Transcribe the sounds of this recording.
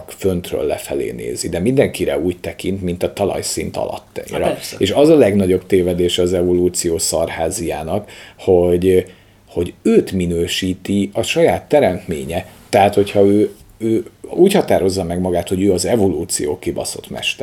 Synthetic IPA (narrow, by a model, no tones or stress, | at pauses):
kfønt̪rø̰ːlːɛfɛlḛːnḛːzid̪ɛmind̪ɛŋkiɾɛ̰uːct̪ɛkint̪mint̪ɒt̪ɒlɒ̰jsḭnt̪ɒ̰lɒ̰t̪ːɛɾɛeʃɒzɒlɛɡnɒɟo̞bt̪eːvɛd̪eːʃɛɒzɛvo̞luːt̪sijoːsɒrhaːzijaːnɒkho̞ɟ | ho̞ɟøːt̪minøːʃiːt̪iɒʃɒjaːt̪ːɛɾɛnt̪meːɲɛt̪ːɛɦaːt̪ho̞chɒøː | øːuːchɒt̪aːɾo̞zːɒmɛɡmɒɡaːt̪ho̞ɟøːɒzɛvo̞luːt̪sijo̰ːkibɒ̰so̞̰t̪mɛ̰ʃt̪ɛ